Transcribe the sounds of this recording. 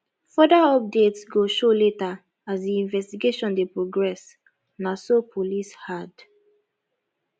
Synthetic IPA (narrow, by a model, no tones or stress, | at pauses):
fɔdaɔp̚detsɡoʃoleta | azdiĩnvɛstiɡeʃɔ̃ndepɹoɡɹɛs | nasopʰolishad